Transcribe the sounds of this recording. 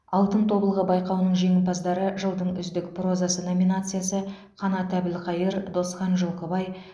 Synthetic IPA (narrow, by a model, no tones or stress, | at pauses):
ɑlˠt̪ənt̪ʰo̞bəlˠʁəbɑjqɑwnəɴʒeŋɪnpɑzd̪ɑɾəʒəlˠd̪əɴʏzd̪ɪkpro̞zasəno̞mʲinat̪sɨjasə | qʰɑnɑt̪æbɪlqɑjəɾd̪o̞sχɑnʒolˠqəbɑj